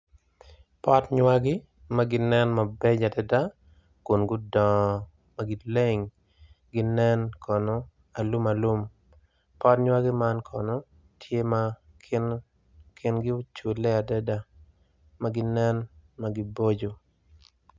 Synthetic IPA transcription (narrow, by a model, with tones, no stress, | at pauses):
pɔ˦tɲwa˦ɡɪ˦ | maɡɪ˦nɛ˦nma˨bɛ˦d͡ʒa˨dɛ˦da˦ | kʊ˨nɡʊ˦dɔ̃˨ | ma˨ɡɪ˦le˦ŋ | ɡɪ˦nɛ˦nkʰɔ˨nɔ˦ | a˨lu˦ma˨lu˦m | pɔ˦tɲwa˦ɡɪ˦ma˦nkʰɔ˨nɔ˦ | tʰje˦ma | n | kʰɪ˦nɡɪ˦ʊ˦t͡ʃu˨le˦a˨dɛ˦da˦ | ma˦ɡɪ˦nɛ˦nma˨ɡɪ˦bo˦d͡ʒo˨